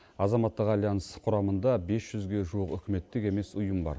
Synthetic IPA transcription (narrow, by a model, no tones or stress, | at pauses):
ɑzɑmɑt̪ːəqɑlʲˠijɑnəsqʰʊɾɑmənd̪ɑbe̞sʒ̥ʏzɡʲe̞ʒuwəqʏ̰kʲɪme̞t̪ːɪkʲe̞me̞sʊjəmbɑ̰ɾ